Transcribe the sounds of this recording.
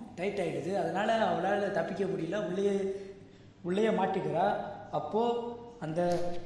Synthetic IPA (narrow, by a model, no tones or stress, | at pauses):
ʈɐɪʈːaːjɪɽɯðɯɐðɐnaːlɐɐʋɐɭaːlɐt̪ɐpːɪkʲːɐmʊɽɪjɪlaːʊɭːɐjɐ | ʊɭːɐjɐmaːʈːɯkːɪɾãːɐpːoːɐnd̪ɐ